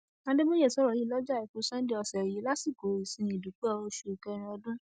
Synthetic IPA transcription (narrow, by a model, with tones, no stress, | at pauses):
ã˨˦de˦mo˦je˦˨sɔ˨˦ɾɔ˨ji˨˦lɔ˦d͡ʒa˦˨i˨ko˨˦sɛ̃˦di˦ɔ˧sɛ˨ji˨˦la˦si˦˨ko˨˦i˨sĩ˧˦i˨du˨˦k͡pɛ˦ɔ˧o˧ʃu˨kɛ˧ɾ̃ĩ˧ɔ˧dũ˦